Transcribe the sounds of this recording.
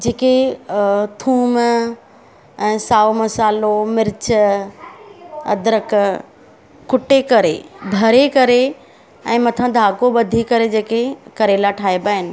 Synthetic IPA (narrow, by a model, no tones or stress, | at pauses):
d͡ʑeːke | t̪ʰuːm | ɛ̃ːsaːumɐsaːlomɪɾɪt͡ɕə | ɐ̰d̪ɾək | kʊʈekɐɾebʱɐɾekɐɾe | ɛ̰̃ːmɐt̪ʰãd̪ʱaːkoɓɐd̪ʱikɐɾed͡ʑeːkekɐɾelaʈʰaːibaːɦɪnɪ̆